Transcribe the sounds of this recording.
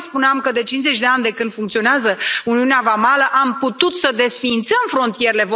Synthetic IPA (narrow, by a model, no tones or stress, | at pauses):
spuneamkəd̪e̞t͡ʃinze̞t͡ʃʲd̪e̞anʲd̪e̞kɨnd̪fuŋkt̪sio̞neazəuniuneavamaləʔamput̪ut̪səd̪e̞sfiːnt̪səmfɾo̞nt̪ije̞ɾele̞vo